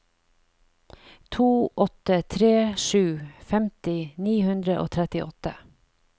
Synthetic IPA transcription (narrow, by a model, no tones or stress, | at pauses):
t̪ʰuːʔɔt̪ət̪ʰɾeːʃʉːfɛmt̪ɪniːhʉnd̪ɾəʔo̰ːt̪ʰɾɛt̪ɪʔɔt̪ə